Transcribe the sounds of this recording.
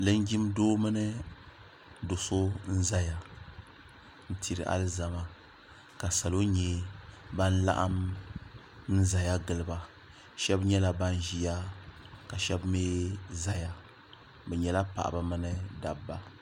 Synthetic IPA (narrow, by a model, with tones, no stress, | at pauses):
lɨ˦n˦ɡʲi˦mdoː˦mɨ˦nɨ˦ | do˨so˦n̩˦za˦ja˨ | n̩˦tʰi˨ɾɨ̰˨ʔa̰˦lɨ˦za˨ma˨ | ka˨sa˨lo˦ɲɛ˦ba˦n˦la̰˦ʔa˦m | n̩˦za˨ja˦ɡɨ˨lɨ˨ba˨ | ʃɛ˦bɲɛ˦la˨ba˦n˦ʒi˦ja˦ka˨ʃɛ˦bmeː˦za˦ja˨ | bɛ˨ɲɛ˨la˦pa̰˨ʔa̰˨ba˨mɨ˦nɨ˦da˨bːa˦